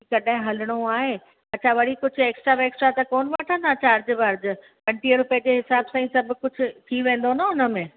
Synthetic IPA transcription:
kɐɗãɦɪ̃ɦɐlɪɽ̃oaːɦeː | ɐt͡ɕʰaʋɐɽikʊd͡ʑʱʊ̆eːksʈɾaʋeːksʈɾat̪ɐkoːnʋaːʈʰə̃nd̪ʱat͡ɕaːɾd͡ʑɪʋɐɾd͡ʑɪ̆ | pɐ̃ɳʈiəɾpɐ̃ɦɪ̃ɲd͡ʑeɦɪsaːbsãːĩsɐbʱʊ̆kʊd͡ʑʱʊ̆t̪ʰiʋẽːnd̪onaʊnə̆mẽː

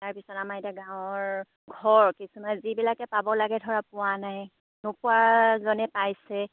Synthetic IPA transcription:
taɹpisɔtamaetaɡãw̃ɔɹ | ɡʱɔɹkisumazibilakɛpabɔlaɡɛdʱɔɹapʊwanaj | nopʊazɔnɛpajsɛ

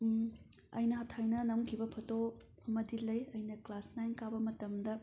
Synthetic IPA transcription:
ɐ̰jnɐɦɐtʰajnɐnɐmkʰibɐpʰɐto | ɐmɐdilɐjɐjnɐklasnajnkabɐmɐtɐmdɐ

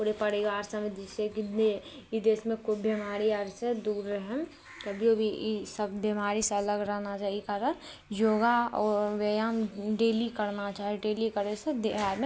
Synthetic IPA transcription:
puɾepɐɾiʋaːɾsɐmed̪ɪseki | id̪esmẽkʊbimaːɾiaɾsed̪uːɾːɛɦəm | kɐbʱiobʱisəbbimaːɾiseɐləɡɾɛɦnat͡ʃaːɦikaɾən | joːɡaɔʋeːjamɖeːlikəɾnat͡ʃaːɦeɖeːlikəɾesed̪eɦaːɾmẽ

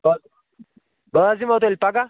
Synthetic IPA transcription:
ba | baazimat̪̬olʲpaɡa

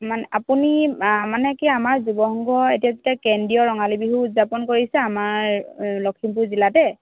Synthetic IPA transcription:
manɛʔapunimanɛkiamaɹzubɔɦɔŋɡɔetijazetiakɛndijɔɹɔŋalibiɦuutzapɔnkoɹisɛamaɹlɔkʰimpuɹzilatɛ

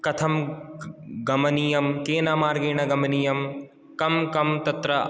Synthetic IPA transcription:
kɐt̪ʰɐm | ɡɐmɐniːjɐmkeːnaːmaːɾɡeːɳ̃ɐɡɐmɐniːjɐm | kɐmkɐmt̪ɐt̪ɾɐ

